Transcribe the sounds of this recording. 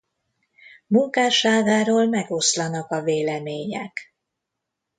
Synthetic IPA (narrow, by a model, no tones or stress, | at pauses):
muŋkaːʃaːɡaːɾoːlmɛɡo̞slɒnɒkɒveːlɛmeːɲɛk